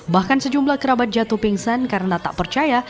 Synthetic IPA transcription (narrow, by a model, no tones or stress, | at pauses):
bahkansəd͡ʒumblahkəɾabat̪̚d͡ʒat̪upɪŋsankaɾənat̪a̰ʔpərt͡ʃaja